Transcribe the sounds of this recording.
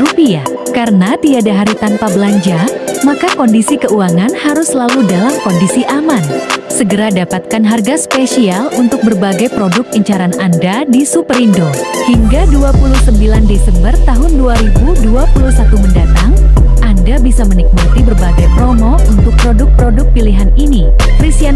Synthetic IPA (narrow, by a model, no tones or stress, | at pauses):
ɾupiakaɾənat̪iadaɦaɾit̪anpabəlaɲd͡ʒamakakɔndisikəuaŋanhaɾʊslaludalamkɔndisiʔamansəɡəɾadapat̪̚kanɦarɡaspesialunt̪ʊk̚bərbaɡajpɾodʊk̚əɲt͡ʃaɾanandadisupəɾindohiŋɡaduapulʊhsəmbilandesɛmbərt̪aɦʊnduaɾibuduapuluhsat̪uməndat̪aŋʔandabisamənik̚mat̪ibərbaɡajpɾomɔ | unt̪ʊk̚pɾodʊk̚pɾodʊk̚piliɦanini | kɾisian